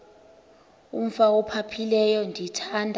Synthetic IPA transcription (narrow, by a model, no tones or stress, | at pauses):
um̩faɔpʰapʰilɛjɔndʱitʰandʱa